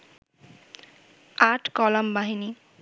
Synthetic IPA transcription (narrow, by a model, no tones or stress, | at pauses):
aʈkɔlambaɦini